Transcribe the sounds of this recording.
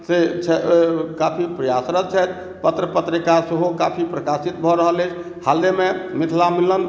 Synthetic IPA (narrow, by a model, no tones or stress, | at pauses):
set͡ʃʰɛkapʰipɾəjasɾət̪t͡ʃʰɛt̪̚ | pət̪ɾəpət̪ɾikaseɦokapʰipɾəkasit̪̚bʱɔɾəɦələjt͡ʃʰ | hald̪ememit̪ʰlamilən